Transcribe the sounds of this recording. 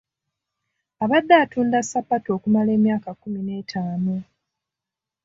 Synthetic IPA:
aβad̪ːaːtuːndasːapːato̞ːkumale̞ːmjaːkakːumine̞ːtʰaːno

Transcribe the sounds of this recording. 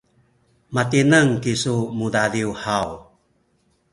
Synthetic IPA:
matinaŋkisumudadiuhaw

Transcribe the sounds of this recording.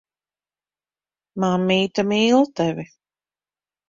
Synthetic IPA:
mamːiːt̪amiːlˠt̪ɛvi

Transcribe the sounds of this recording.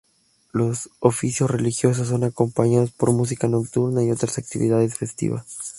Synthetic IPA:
lo̞sofisjo̞sre̞lixjo̞s̬os̬ːo̞nako̞mpaɲaðo̞spo̞ɾmus̬ikano̞kt̪uɾnaio̞t̪ɾasak̚t̪iβḭð̞aðe̞sfe̞st̪ḭβa̰s

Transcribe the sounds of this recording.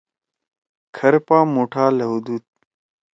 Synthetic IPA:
kʰɐɾpaːmoːʈʰaːlɐɦud̪uːt̪̚

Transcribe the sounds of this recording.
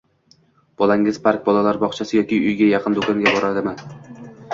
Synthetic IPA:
b̥ɒlˠaŋɪz̥pʰaɾk̚ʲbɒlˠalaɾbɒqt͡ʃʰasɪjɒkʲɪʊjɡʲajɑqʰɨnd̪okʰɒŋɡʲabɒɾad̪ɪmɪ

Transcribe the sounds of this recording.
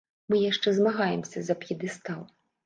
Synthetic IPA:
mɨjaʂt͡ʂɛzmaɣajɛmsʲɐzɐpjʲid̪ɨst̪alˠ

